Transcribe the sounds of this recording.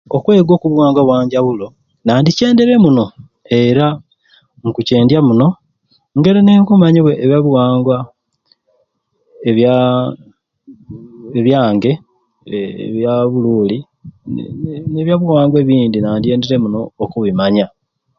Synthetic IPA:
okwe̞ːɡwo̞ːkuβwaːŋɡwaβwaːɲɟaβulo̞ | naːndice̞ːnde̞ɾe̞muno̞ | e̞ɾa | ŋkuce̞ːndjamuno̞ | ŋɡe̞ɾeneːŋkumaɲiβwe̞ːβjaβwaːŋɡwa | eβja | eβjaːŋɡe̞ | βjaβuluːli | neβjaβuwaːŋɡwe̞βiːndinaːndije̞ːndeɾe̞muno̞ːkuβimaɲa

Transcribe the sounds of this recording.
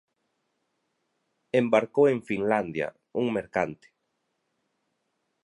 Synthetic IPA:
embaɾkowẽŋfinland̪ja̰ | uŋmeɾkant̪e̥

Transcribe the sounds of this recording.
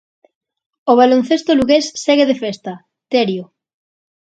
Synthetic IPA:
oβ̞alon̟θest̪oluɣesːeɣeðefest̪ɐ | t̪eɾjo

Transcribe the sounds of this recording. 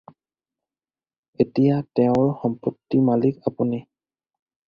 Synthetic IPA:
etijatɛʊ̃ɹxɔmpɔtːimalikapuni

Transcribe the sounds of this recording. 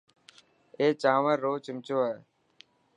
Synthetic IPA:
eːt͡ʃãːʋəɾːoːt͡ʃɪmt͡ʃoːeː

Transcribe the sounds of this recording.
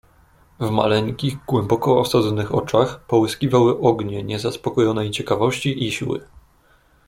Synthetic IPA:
vma̰lɛŋkʲiɣɡwɛmbɔkɔɔsad̪zɔnɘxɔ̰t͡ʂaxpɔwɘskʲivawɘʔɔɡɲɛɲɛzaspɔkɔjɔnɛjt͡ɕɛkavɔɕt͡ɕiʔiɕḭwɘ̰

